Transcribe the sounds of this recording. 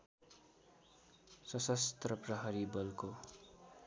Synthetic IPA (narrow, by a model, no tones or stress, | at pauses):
sʌsʌst̪rʌprʌɦʌɾibʌlko